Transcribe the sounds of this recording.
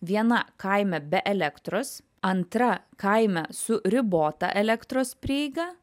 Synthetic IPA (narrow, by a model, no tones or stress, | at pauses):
ʋʲiɛnɐkɐɪmʲɛbʲɛʔɛlʲɛkt̪ɾoːs | ɐnt̪ɾɐkɐɪmʲɛsʊɾʲɪboːt̪ɑ̰ʔɛlʲɛkt̪ɾoːspʲɾʲɪɪɡɐː